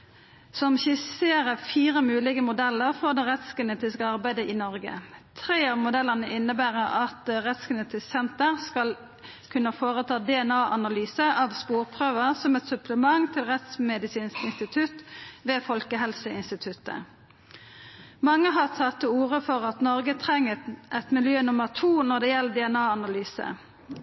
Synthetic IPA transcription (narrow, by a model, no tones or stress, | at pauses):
sɔmçɪseːʁəfiːʁəmʉːlɪɡəmʊd̪ɛlːəʁfɔd̪ɛʁɛt̪skɡɛneːt̪ɪskəɑʁbæɪd̪əʔiːnɔʁɡə̰t̪ʰʁeːɑʋmʊd̪ɛləʁnəʔɪnːəbæːʁəɑt̪ʁɛt̪sɡəneːt̪ɪssɛnt̪əʁskɑl | kʰʉnːəfoːʁət̪ʰɑːd̪ɛɛnɑːʔɑnɑlyːsəʔɑʋspuːʁpʰʁøːʋəʁsɔmɛt̪sʉpʰləmɑŋt̪ʰɪlʁɛt̪smɛd̪ɪsiːnskɪnst̪ɪt̪ʰʉt̪ʋeːfɔlkəɦɛlsəɪnst̪ɪt̪ʰʉt̪ːə̰ | mɑŋːəɦɑʁt̪ʰɑt̪ːəuːʁəfɔʁɑt̪nɔʁɡət̪ʰʁɛŋːət̪ʔɛt̪mɪljøːnʊməʁt̪ʰuːnɔʁd̪ɛːjɛlːd̪ɛɛnɑːɑnɑlyːsə̰